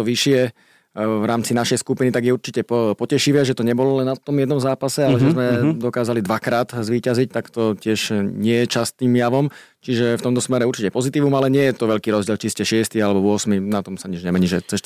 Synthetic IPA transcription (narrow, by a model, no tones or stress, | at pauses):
t̪ɔʋiʃɪɛ | ʋɾaːmt͡sinaʃɛjskupinit̪aɡjɛuɾt͡ʃicɛppɔcɛʃiʋɛʒɛt̪ɔɲɛbɔlɔlɛnːat̪ːɔmjɛd̪nɔmzaːpasɛalɛʒɛzmɛd̪ɔkaːzalid̪ʋakɾaːt̪zʋiːcazic̚t̪akt̪ɔcɪɛʒɲɪɛjɛt͡ʃast̪niːmjaʋɔm | t͡ʃiʒɛft̪ɔmt̪ɔsmɛɾɛuɾt͡ʃicɛpɔzit̪iːʋumalɛɲɪɛjɛt̪ɔʋɛʎkiːɾɔzɟɪɛlt͡ʃiscɛʃɪɛst̪ialɛbɔʋʊɔsminat̪ɔmsaɲiʒɲɛmɛɲiːʒɛt͡sɛʃ